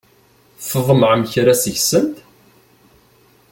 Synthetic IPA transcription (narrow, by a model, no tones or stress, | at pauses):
fəðˤəmʕmçɾæsəʝsənt̪